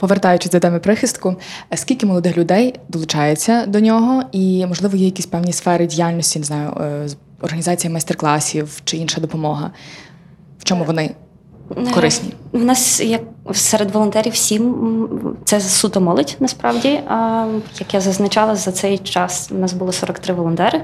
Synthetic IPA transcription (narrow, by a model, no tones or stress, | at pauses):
pɔʋert̪ɑjʊt͡ʃɪsʲd̪ɔt̪ɛmɛpɾɪxɪst̪kʊskʲilʲkɪmɔlˠɔd̪ɪxlʲʊd̪ɛjd̪ɔlˠʊt͡ʃɑjet͡sʲːɐd̪ɔnʲɔɦɔimɔʒlˠɪʋɔjɛjɐkʲisʲpɛwnʲisfɛɾɪdʲijalʲnɔsʲtʲinɪznɑjʊ̰ | ɔ̰rɦɐnʲizɑt͡sʲijɐmɐst̪erklˠɑsʲiwt͡ʃɪinʃɐd̪ɔpɔmɔɦɐ̰ | wt͡ʃɔmʊʋɔnɪ | kɔɾɪsʲnʲiwnɑsjɐksɛɾed̪ʋɔlˠɔnt̪ɛɾʲiwsʲim | t̪sɛsut̪ɔmɔlˠɪtʲnɐspɾɑwdʲi | jɐkjazɐznɐt͡ʃɑlˠɐzɐt̪sɛjt͡ʃɑsʋnɑzbʊlˠɔsɔɾɐkt̪ɾɪʋɔlˠɔnt̪ɛɾɪ